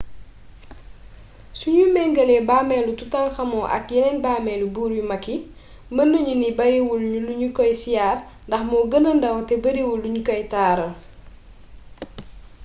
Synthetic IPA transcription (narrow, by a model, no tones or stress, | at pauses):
suɲumɛŋɡəlɛbaːmɛlututaŋxɐmɔʔɐ̰k̚jɛnɛnbaːmɛlubuːɾjumɐkːi | mənːəɲunibɐɾewulɲuluɲukɔjsijaːr | ndɐxmɔɡənəndɐwtɛbɐɾewulːuɲukɔjtaːɾɐ